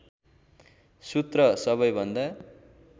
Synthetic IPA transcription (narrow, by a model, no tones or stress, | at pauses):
sut̪rʌsʌβʌjbʱʌnd̪a